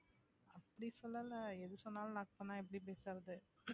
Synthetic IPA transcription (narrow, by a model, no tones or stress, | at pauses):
ɐpːɐɽisɔlːalɐɛðɯsɔnːaːlɐnɐːk̚pɐnːaːɛp̬ːɐɽip̬eːsɐɾɐðɯ